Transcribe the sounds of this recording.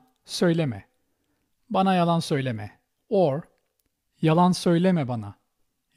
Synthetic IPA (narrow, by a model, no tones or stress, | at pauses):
sø̞jlʲemɛ̰ | banajalˠansø̞jlʲemɛ̰ | oɾ | jalˠansø̞jlʲɛmɛbana̰